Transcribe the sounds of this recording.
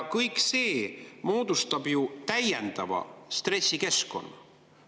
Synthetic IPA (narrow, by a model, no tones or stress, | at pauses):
kɤjkse̞ːmo̞ːd̪̥ust̪ɑb̥jut̪æjend̪̥ɑvɑ̰st̪re̞sʲːike̞sko̞̰nːɑ